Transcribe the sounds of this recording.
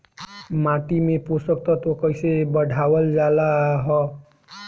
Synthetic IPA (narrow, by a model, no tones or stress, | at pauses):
mãːʈ̪imẽposək̚t̪ɔt̪okəisebəɖʱaʋəld͡ʒalaɦɔ